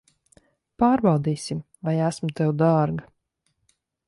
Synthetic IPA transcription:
paːɾbɑwd̪iːsʲim | vajæsmut̪ɛwd̪aːɾɡa

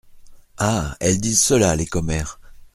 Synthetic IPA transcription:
aɛld̪izsəlalekɔmɛːʁ

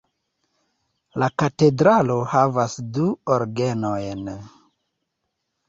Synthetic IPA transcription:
lakate̞dɾalo̞havasduoɾɡenojn

